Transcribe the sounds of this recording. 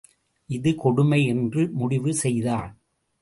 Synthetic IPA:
ʔɪðɯkɔɽɯmɐɪɛndrɯmʊɽɪʋɯsɛjðaːɭ

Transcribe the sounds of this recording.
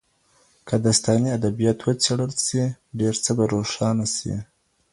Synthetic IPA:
kʰad̪ast̪ɑniad̪abijɑt̪wət͡seɽəlsiɖeɾt͡səbaɾoʂɑnasḭ

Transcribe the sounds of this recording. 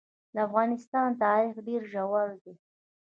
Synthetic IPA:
d̪əafɣɑnɪst̪ɑnt̪ɑɾɪxɖeɾʒawald̪e

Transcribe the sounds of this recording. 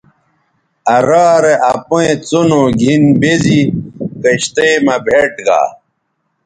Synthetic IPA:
ɐɾaːɾeʔapoẽt͡sonoɡʱinbezikɐɕt̪eːmɐbʱeʈɡa̰ː

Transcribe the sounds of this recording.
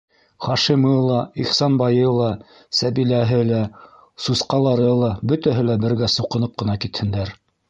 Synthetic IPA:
χɑʃimɤlˠɑiχsɑnbɑjɤlˠɑ | sæβilæɦɘlæ | susqɑlˠɑɾɤlˠɑbɵ̆t̪æɦɘlæbɘ̆ɾɡæsŭqɤ̆nɤp̚qɤ̆nɑkit̪hɘ̆nd̪æɾ

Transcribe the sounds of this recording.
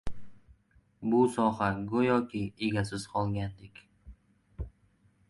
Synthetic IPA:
bʊsɒɦaɡʊjɒkʲʰɪeɡʲasɪz̥qʰɒlˠɡʲand̪ekʲ

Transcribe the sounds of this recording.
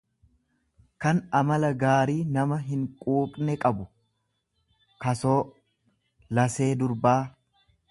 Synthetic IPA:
kɐnɐmɐlɐɡaːɾiːnɐmɐɦɪŋkʼuːkʼnɛkʼɐbʊ | kɐsoː | lɐse̞ːd̪ʊɾbaː

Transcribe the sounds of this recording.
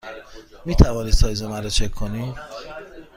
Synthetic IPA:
miːt̪ʰævɒːniːsɒːjzemæɾot͡ʃʰekʰːoniː

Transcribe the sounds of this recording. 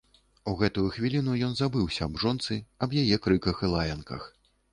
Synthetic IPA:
uɣɛt̪ujuxvʲilʲinujɔnzabɨwsʲɐːbʐɔnt̪sɨɐbjajɛkɾɨkɐxɨlˠajɐnkɐ̰x

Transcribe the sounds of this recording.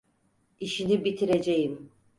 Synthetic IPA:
iʃinibit̪ʰiɾe̞d͡ʒejim

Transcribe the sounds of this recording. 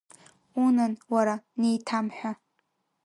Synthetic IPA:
unɨnwaɾanejtʰamħʷᶣa

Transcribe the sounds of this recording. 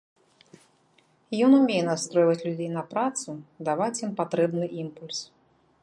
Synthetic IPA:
jɔnumʲejɛnast̪ɾɔjvɐt͡sʲlʲud͡zʲejn̪ɐpɾat̪sud̪avat͡sʲimpat̪ɾɛbnɨʔimpulʲs

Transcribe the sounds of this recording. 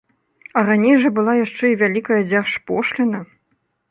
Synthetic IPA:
ɐranʲɛjʐɐbɨlˠajaʂt͡ʂɛivʲalʲikɐjɐd͡zʲarʂpɔʂlʲɛnɐ

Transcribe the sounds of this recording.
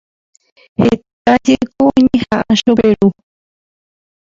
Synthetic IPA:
het̪̚ad͡ʒekoõɲẽhãʔaʃoβeɾu

